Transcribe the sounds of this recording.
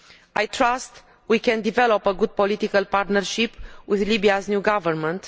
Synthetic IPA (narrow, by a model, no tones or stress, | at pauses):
ajt̪ɾast̪ | wikɛ̃nd̪ivɛlopəɡud̪̚polit̪ikəlpaɾt̪nərʃipwiðlibiaznʲjuɡavəɾmə̃nt̪